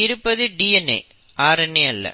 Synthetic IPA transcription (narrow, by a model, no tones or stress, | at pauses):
ɪɾɯpːɐðɯɖiːɛnːḛː | ʔaːɾɐnːeɐlːɐ̰